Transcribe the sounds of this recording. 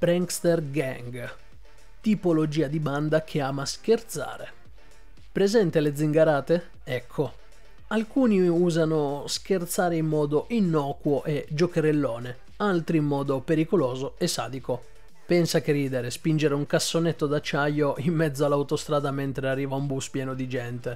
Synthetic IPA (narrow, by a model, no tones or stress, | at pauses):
pɾɛŋkst̪erɡaŋɡ | t̪ipolod͡ʒiːad̪iband̪akʰeaːmask̟ert̪sa̰ːɾe | pɾezɛnt̪eled̪ziŋɡaɾaːt̪e | ɛkʰːo | alkuːniuːzanosk̟ert̪saːɾeimːɔːd̪oʔinːɔːkwoʔed͡ʒokeɾelːɔːne | alt̪ɾiːmːɔːd̪opeɾikolɔːzoesːa̰ːd̪iko | pɛnsakeriːd̪eɾespind͡ʒeɾeuŋkasːonet̪ːod̪at͡ʃːajːoʔimːɛd̪zːoalːawt̪ost̪ɾaːd̪amɛnt̪ɾearːiːvaumbuspjɛːnod̪id͡ʒɛnt̪e